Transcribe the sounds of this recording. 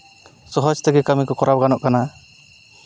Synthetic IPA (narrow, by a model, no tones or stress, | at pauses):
sɔɦɔd͡ʒt̪ɛɡɛkamikɔkɔɾap̚ɡanɔʔkana